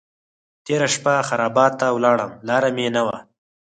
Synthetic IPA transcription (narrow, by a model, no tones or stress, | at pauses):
t̪eɾaʃpaxaɾɑːbɑt̪ːawlɑːɽəmlɑːɾamenawa̰